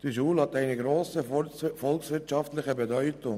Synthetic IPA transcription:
d̥əʃuːlhɑt̪æɪnəɡɾoːsəfɔlksʋɪɐtʃɑftlɪχəbedœʏtʊŋ

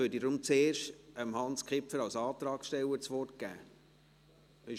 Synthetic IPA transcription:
øːdidɾʊmt͡seːɾʃtəmhɑnskχɪpfəɾɑlsɑːt̪ɾɑːksʃtɛwəɾt͡sʋɔrt̚ɡ̥æ̰ː | ɪ

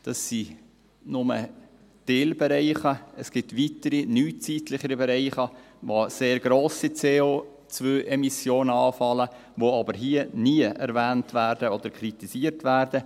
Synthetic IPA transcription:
d̥ɑsːi | nʊmə̰ | d̥eːlbɛɾɛɪχəəsɡ̥ɪtʋitəɾinyːt͡siːtlɪχəɾibɛɾɛɪχə | ʋoseːɾɡɾoːsit͡seːoː | t͡svøːʔɛmisjoːnəɑːfɑlə | ʋoɑbəɾɦiəniəʔɛ̰ɾvæːntvæːɾdəɔd̪əɾkʰɾitisiːəɾtʋæːɾdə

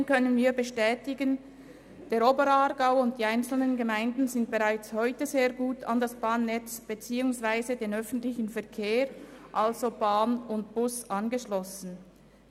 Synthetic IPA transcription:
nkœnənviːbəʃtɛːtɪɡən | d̥eːɐɾoːbəɾɑʁɡaʊʊnt̚d̥iːaɪnt͡sl̩nənɡəmaɪndn̩zɪntb̥eʁaɪt͡shɔʏtəzeːɐɡuːtʰa̰ndasb̥aːnːɛt͡sb̥et͡siːʊŋsv̥aɪzədeːnœfn̩tlɪçn̩fɛɐkʰeːʁʔalzob̥aːnʊntb̥ʊsʔɑnɡəʃlɔsn̩

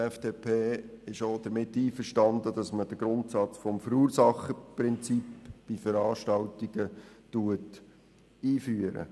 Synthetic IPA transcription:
ɛfd̥eːpʰeː | ɪʃod̥̪əɾmɪtːiːfəɾʃtɑnd̪əd̥ɑsməd̥əɡ̥ɾʊntsɑt͡sfɔmfəɾuːɾsɑχəpɾɪnt͡sipb̥ifəɾɑːʃtɑwtiɡ̥ətuət | iːfyːəɾə̰

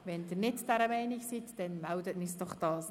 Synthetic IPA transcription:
ʋɛndɪːɾnɪtd̥æɾəmɛɪniksit̪d̥ɛnmɛwdətnisd̥ɔχd̥ɑːs

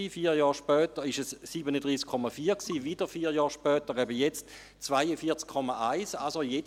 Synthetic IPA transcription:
ifiːɐjɑːʁʃpœːtəʁɪʃɛsːiːbənədʁiːskʰːɔmafiːɐksiːvid̥əfiːɐjɑːʃpœːtəʁɛbəjɛt͡st | t͡svaɪəfiːɐt͡skʰːɔmaʔaɪsalsojed

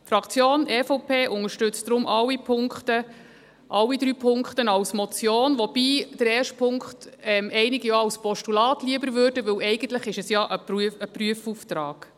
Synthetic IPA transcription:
fɾɑkʰt͡sjoːnʔɛfɔpʰeːʔʊŋəʃtʏt͡std̥ɾʊmʔɑlːipʰʊŋkχtə | ʔɑwːidɾyːpʰʊŋkχtənɑwsmɔt͡sjoːnʋɔb̥iːd̥əɾɛːrʃtpʰʊŋkχtɛmɛɪnɪɡijoɑwspɔʃtulɑːtliəbəɾvøːɾd̥əʋɪwɛɪɡən̩t̪ləχɪʃɛsjɑʔəpəəpryəfuftɾɑːɡ̥

